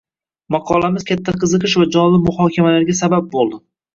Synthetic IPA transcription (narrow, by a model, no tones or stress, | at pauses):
mɑqʰɒlamɪzkʲʰat̪ʰːaqʰɨzɨqɨʃvad͡ʒɒnlɪmʊhɒːkʲʰamalaɾɡʲasabap̚bolˠd̪ɪ